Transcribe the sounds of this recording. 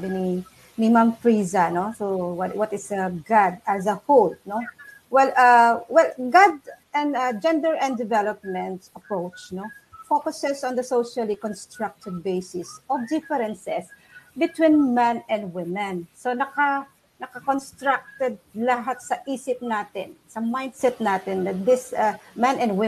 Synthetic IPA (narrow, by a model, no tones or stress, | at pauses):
bɪni | nɪmãmfɹiːzanosowɐwɐt̪ɪsɐɡad̪̚ɐsɐholt̪no | wɛlawɛlɡad̪ | ɛ̃nad͡ʒɛ̃nd̪ɛɹʔɛ̃nd̪ɪvɛlɔp̚mɛ̃nt̪ɐpɹowt͡ʃnofokʊsɛsɔ̃nd̪ɐsowʃalikɔ̃nst̪ɹak̚t̪ɪd̪̚bejsɪsɔvd̪ɪfɛɾɛnsɛs | bɪt̪wĩnmɛ̃nɛ̃nd̪wɪmɛ̃nsonɐka | nɐkɐkɔnst̪ɹak̚t̪ɛd̪̚lɐɦat̪̚sɐʔiːsɪp̚naːt̪ɪ̰̃nsɐmãjnd̪sɛt̪̚nat̪ɪnd̪ɐt̪̚d̪ɪsamɛ̃nɛ̃nd̪wɪ